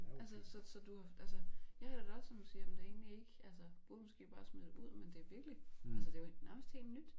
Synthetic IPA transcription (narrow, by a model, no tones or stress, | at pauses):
ælsəsɒ̽sɒ̽d̥uhɑ̈ælsəjɑ̈hæɾ̥eɡ̥ɒd̥sɒnsiːjæmnd̥ee̝̰ːnlie̝ɡ̥əʔælsəb̥o̝ð̩ˠmɔsɡ̥e̝̰ːb̥ɑ̈ːsmedˠuð̰ˠmend̥e̝ʋiɐɡ̥liælsəd̥e̝onæɐməsd̥he̝̰ːld̥nyd̥